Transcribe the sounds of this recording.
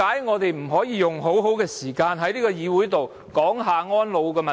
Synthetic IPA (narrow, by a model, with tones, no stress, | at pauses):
aː˨˥jŋɔː˨˧t̪e˨jm̩˨˩ɦɔː˨˥jiː˨˧jʊ˨ŋɦo˨˥wɦo˨˥wkɛː˧siː˨˩kaː˧nɦɐ˨˧jliː˥kɔː˧jiː˨˧wuː˨˥jt̪o˨w | kɔː˨˥ŋɦaː˨˧ŋɔː˥nlo˨˧wkɛː˧mɐ˨